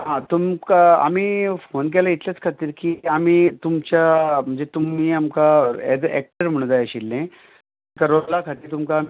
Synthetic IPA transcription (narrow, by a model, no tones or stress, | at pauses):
ɦãt̪umkaa̰miːfonk̬ɛlait̪ljat͡skʰat̪iːɾkiːamiːt̪umt͡ɕjam̤əɳd͡zet̪umiːamkaedɛ̰k̚ʈəɾm̤əɽ̃d͡z̪ajəɕilːẽ | kaɾolakʰat̪iːɾt̪umkaː